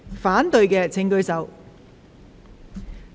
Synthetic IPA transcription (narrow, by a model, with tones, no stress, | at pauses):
faː˨˥nt̪ɵ˨˧ɥkɛː˧t͡sʰɪ˨˥ŋkɵ˧ɥsɐ˨˧w